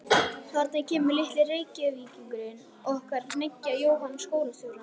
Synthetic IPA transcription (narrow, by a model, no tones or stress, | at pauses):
kʰaɾt̪najcʰɛːmʏɾlɪht̪lɪreːjcɪviːciŋkʏɾɪn | ɔɣɔhkaɾnecːajoːwɦanskoːwlasʏɣla